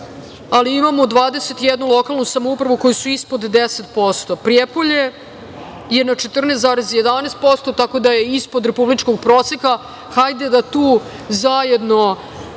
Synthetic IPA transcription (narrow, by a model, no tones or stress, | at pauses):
aliimamod̪ʋaːd̪eset̪jɛd̪nulˠo̞kalˠnusamoupɾaʋuko̞jusuispod̪ːeset̪̚po̞st̪o̞pɾiepoʎe̞ | je̞nat͡ʃe̞t̪r̩nest̪zaːɾezje̞d̪anest̪̚po̞st̪o̞t̪ako̞d̪ajeispod̪ɾe̞publit͡ʂkoɡ̚pɾoːseka | xajd̪ed̪at̪uː | zajed̪no̞